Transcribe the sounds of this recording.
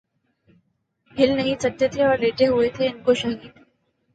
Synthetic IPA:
bɪlnɐɦĩsət̪ːjet̪ʰeəɾleːʈeɦuet̪ʰeɪnkoʃɐɦiːt̪

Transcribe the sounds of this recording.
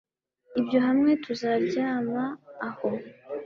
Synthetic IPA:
ibjo̞ɦamŋe̞tuzaɾɟaːmaːho

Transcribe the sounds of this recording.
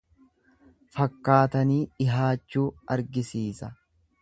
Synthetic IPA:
fɐkːaːt̪ɐniːɪɦaːt͡ʃːuːʔɐɾɡɪsiːsɐ

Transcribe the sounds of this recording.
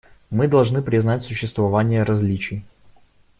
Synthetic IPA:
mɨd̪ɐlˠʐnɨpɾʲɪznatʲsʊɕːɪst̪vɐvanʲɪjəɾɐzʲlʲit͡ɕɪj

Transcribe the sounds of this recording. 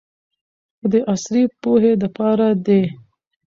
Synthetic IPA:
xəd̪əʔasɾipoɦed̪əpɑɾad̪e

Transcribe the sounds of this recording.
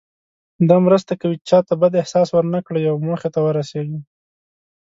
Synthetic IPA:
d̪ɑmɾəst̪akawit͡ʃɑt̪abad̪ɪhsɑswəɾnakɽəjawmoxet̪awəɾaseɡi

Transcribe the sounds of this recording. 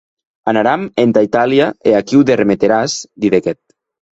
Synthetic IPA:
anaɾament̪ait̪aliaeakiwd̪eremet̪eɾasd̪iðekɛt̪̚

